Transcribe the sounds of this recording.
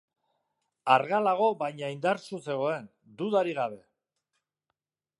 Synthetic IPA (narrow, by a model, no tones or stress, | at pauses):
aɾɣalaɣ̞o̞βajɲaind̪aɾsut͡se̞ɣ̞o̞e̞n | d̪uðaɾiɣaβe̞